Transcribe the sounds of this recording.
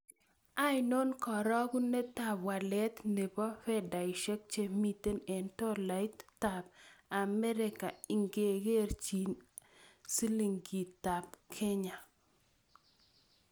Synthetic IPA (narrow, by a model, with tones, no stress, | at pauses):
a˦jno˦nkɔ˨ɾɔ˦ɡu˦ne˦ta˦˨bwa˨lɛ˦t̪ne˨bɔ˦fɛ˦da˨i˨ʃɛ˦k̚t͡ʃe˦mi˦˨t̪e˦nɛ˨ntɔ˦la˨˦t̪ta˨b̚a˨mɛ˦ɾɪ˦ka˨i˨ŋɡe˨ɡe˦rt͡ʃi˨n | si˦li˨ŋɡi˨t̪a˨pkʰe˦ɲa˨